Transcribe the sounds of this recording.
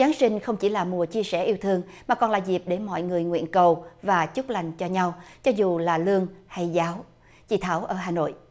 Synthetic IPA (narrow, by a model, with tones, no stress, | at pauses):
zaː˨˦ŋsï˧ŋ̟xə˧wŋ͡mt͡ɕi˧˩laː˨˩mu˨˩ət͡ɕi˧əsɛ˧˩ʔi˧əwt̪ʰɨ˧əŋ | maː˨˩kɔ˨˩nlaː˨˩zi˨˩p̚ɗe˧˦nmɔ̰˧˨jŋɨ˨˩əjŋwḭ˧˨ənkə˨˩wvaː˨˩t͡ɕʊ˦˥k͡p̚la˨˩jŋ̟t͡ɕɔ˧ɲa˧wt͡ɕɔ˨˧˦zu˨˩laː˨˩lɨ˧əŋha˧jzaː˨˦w | t͡ɕḭ˧˨t̪ʰaː˧˩wʔəː˧˩ɦaː˨˩no̰˧˨jʔ